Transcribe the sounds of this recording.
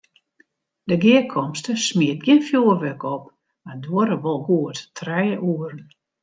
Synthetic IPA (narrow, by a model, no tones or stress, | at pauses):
dəɡiəkʰɔmstəsmiət̚ɡjɪnfjuərʋøkɔp | madoəɾəʋɔlˠɡuəttrɛjəʔuəɾən